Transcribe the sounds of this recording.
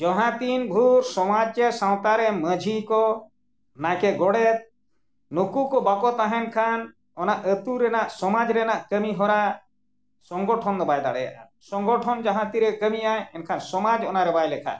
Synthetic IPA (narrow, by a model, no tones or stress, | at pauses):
d͡ʒɔɦãt̪inbʱuɾsɔmad͡ʒɛsãw̃t̪aɾɛməd͡ʒʱikɔ | nakɛɡɔɽɛt̪̚ | nukukɔbakɔt̪aɦɛnkʰan | ɔnaʔət̪uɾɛnaʔsɔmad͡ʒɾɛnaʔkəmiɦɔɾa | sɔŋɡɔʈʰɔnd̪ɔbajd̪aɽɛ̰ja̰ʔa | sɔŋɡɔʈʰɔnd͡ʒaɦãt̪iɾɛkəmijajɛnkʰansɔmad͡ʒɔnaɾɛbajlɛkʰa̰